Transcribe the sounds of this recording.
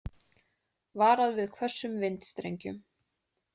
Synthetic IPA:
vaːɾaðvɪðkʰvœ̥sːʏmvɪnt̪st̪ɾḛjɲcʏ̰m

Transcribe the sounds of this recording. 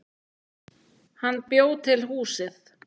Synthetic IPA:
hanːpjoːwt̪ʰɪlɦuːsɪθ

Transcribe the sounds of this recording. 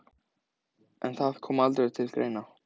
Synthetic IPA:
ʔɛnθað̥kʰɔːmalt̪ɾɛðt̪ʰɪlkɾḛjna

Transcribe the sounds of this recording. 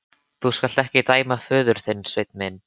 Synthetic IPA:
θuskal̥t̪ɛhcɪt̪aːjmafœːðʏɾ̥θɪnːsvejt̪nmɪn

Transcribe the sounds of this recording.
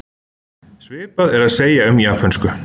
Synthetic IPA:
svɪːpaðɛɾaðseːjaʏmjapʰanskʏ

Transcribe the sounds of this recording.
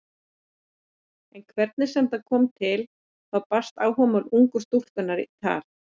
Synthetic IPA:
ɛnkʰvɛɾt̪̚nɪsɛmθaðkʰɔːmt̪ʰɪl | θawpast̪aːwɦɔːmʏluŋkʏst̪ul̥k̪ʏnːaɾit̪ʰa̰ːɾ̥

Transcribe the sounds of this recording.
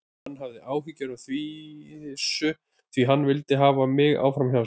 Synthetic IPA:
anːɦavðɪʔaːwhicːaɾaθviɪsʏ | θviɦanːvɪlt̪ɪɦaːvamɪɣa̰ːwfɾamça

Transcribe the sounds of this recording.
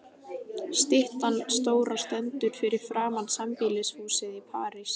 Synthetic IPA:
st̪ɪht̪anst̪oːwɾast̪ɛnt̪ʏɾ̥fɪɾɪɾ̥fɾaːmansampilɪshuːsɪðipʰaːɾɪs

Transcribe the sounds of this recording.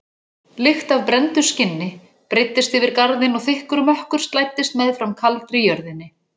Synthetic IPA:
lɪxt̪avpɾɛnt̪ʏ̥scɪnːɪ | pɾɪt̪ːɪst̪ʏvɪɾkaɾðɪnɔɣθɪhkʏɾmœhkʏɾ̥st̪laːjt̪ɪst̪mɛðfɾamkʰalt̪ɾɪjœɾðɪnːɪ

